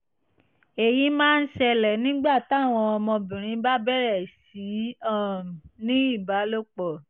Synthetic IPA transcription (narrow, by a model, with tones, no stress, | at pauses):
e˨jĩ˨˦mãː˦˧n̩˦ʃɛ˧lɛ˨nĩ˦ɡ͡ba˦˨ta˦˨w̃ɔ̃˧ɔ˧mɔ̃˧bĩ˨ɾ̃ĩ˨˦ba˦bɛ˦˨ɾɛ˦˨si˨˦ɔ˦˨m˨nĩ˦i˦˨ba˨˦lo˦k͡pɔ˨